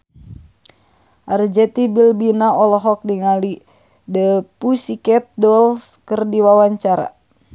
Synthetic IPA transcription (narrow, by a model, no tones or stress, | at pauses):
ʔard͡ʒɛt̪ibilbinaɔlɔɦɔk̚diŋali | dəpusikɛt̪̚dɔlskərdiwawaɲt͡ʃaɾa̰